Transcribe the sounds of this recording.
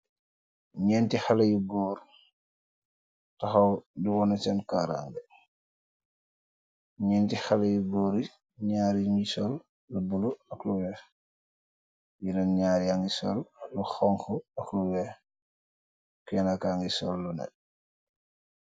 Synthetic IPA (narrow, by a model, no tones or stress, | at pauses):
ɲɛːntixalɐjuɡɔːɾ | tɐxɐwdiwɔnɐt͡ʃɛnkaːɾa̰ŋɡə | ɲɛːntixɐlɐjuɡɔːɾi | ɲaːɾiŋisɔl | lubuluɐkluwɛːx | jinɐnɲaːɾiaŋɡisɔ̰lːuxɔŋkɔɐkluwɛx | kɛːnakaŋɡisɔlːunɛ̰